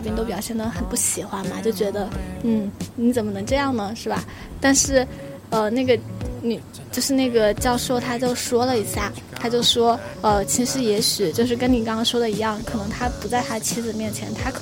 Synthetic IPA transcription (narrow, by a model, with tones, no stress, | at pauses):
pji˥˧nt̪o˥ʊpjɑ˨˩ʊɕjɛ˥˩nd̪ə˩xə˨˩npu˥˩ɕi˨˩xwa˥nmɐ̰˨t͡ɕjo˥˩ʊt͡ɕɥɛ˧˥d̪ə˧n̩˥˩ni˧˥t͡sə˨˩mə˦nɤ˧˥ŋʈ͡ʂɤ˥˧jɑ˥˩ŋnə˩ʂɻ̩˥˩bɐ̰˩ | t̪a˥˧nʂɻ̩˥˩ | ə˧na˥˩ɡə˩ni˨˩ | t͡ɕjo˥˧ʊʂɻ̩˥˧na˥˩ɡə˩t͡ɕjɑ˥˧ʊʂo˥˩ʊt̪ʰa˥t͡ɕjo˥˩ʊʂwɔ˥lə˨i˧˥ɕja˥˩ | t̪ʰa˥t͡ɕjo˥˩ʊʂwɔ˥ə˧t͡ɕʰi˧˥ʂɻ̩˧˥jɛ˧˥ɕy˨˩t͡ɕjo˥˧ʊʂɻ̩˥˩kə˥nni˨˩kɑ˥ŋkʰɑ˥ŋʂwɔ˥d̪ə˨i˧˥jɑ˥˩ŋkʰɤ˨˩nɤ˧˥ŋt̪ʰa˥pu˧˥t͡sa˥˩ɪt̪ʰa˥d̪ə˧t͡ɕʰi˥d͡zɹ̩˨˩mjɛ˥˩nt͡ɕʰjɛ̰˧˥nt̪ʰa˥kʰ